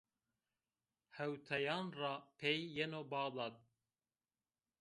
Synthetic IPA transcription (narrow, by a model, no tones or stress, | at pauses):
hɛwt̪ʰɛjɑːnrɑpʰejːɛnobɑːd̪ɑːt̪̚